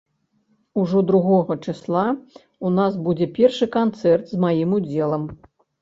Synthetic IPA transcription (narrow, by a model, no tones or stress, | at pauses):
uʐɔd̪ɾuɣɔɣɐt͡ʂɨslˠa | unasbud͡zʲɛpʲɛrʂɨkant̪sɛrt̪zmajimud͡zʲɛlˠɐm